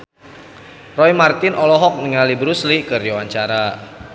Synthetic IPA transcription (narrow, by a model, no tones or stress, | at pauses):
rɔjmart̪ɪnʔɔlɔɦɔk̚nəŋalibɾuslikɨrd͡ʒawaɲt͡ʃaɾa